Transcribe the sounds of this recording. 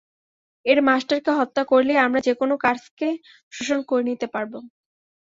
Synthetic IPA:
eɾmasʈaɾkeɦɔt̪ːakoɾleamɾad͡ʑekonokaɾske | ʃoʃonkoɾenit̪epaɾbo

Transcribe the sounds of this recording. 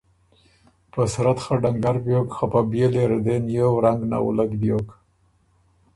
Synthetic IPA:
pəsɾat̪xaɖaŋɡaɾbjokxapabjeleɾd̪enjowɾaŋɡna̰w̰laɡ̪bjok

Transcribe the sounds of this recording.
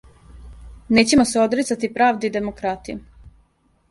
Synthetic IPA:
ne̞ːt͡ɕemoseo̞d̪ɾit̪sat̪ipɾaːʋd̪eid̪emokɾat̪iju

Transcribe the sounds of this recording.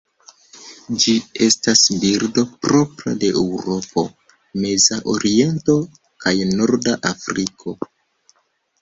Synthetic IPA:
d͡ʒie̞stasbiɾdo̞pɾo̞pɾa̰de̞ʔewɾo̞po̞ | me̞zaʔo̞ɾie̞nto̞ | kajnoɾdaʔafɾikʰo̞

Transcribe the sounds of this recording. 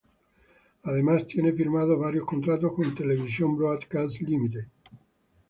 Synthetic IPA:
aðemast̪jɛnefiɾmaːðovaɾjoskont̪ɾat̪ːoskont̪elevisjombɾoat̪kaslimit̪e

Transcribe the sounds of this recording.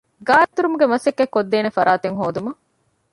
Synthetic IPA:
ɡaːɾt̪uɾumuɡemɐsekːekːod̪ːeːnefɐɾʔaːt̪eŋɦoːd̪umɐ

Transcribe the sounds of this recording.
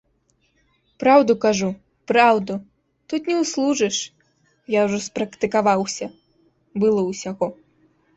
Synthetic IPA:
pɾawd̪ukaʐu | pɾawd̪u | t̪ut̪nʲɛwslˠuʐɨʂ | jawʐɔspɾɐkt̪ɨkavawsʲɐ | bɨlˠɔwsʲaɣɔ

